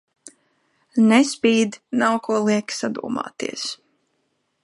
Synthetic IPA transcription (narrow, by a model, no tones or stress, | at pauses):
nɛspʲiːd̪nawkuɔlˠiɛksad̪ṵːma̰ːt̪ḭɛs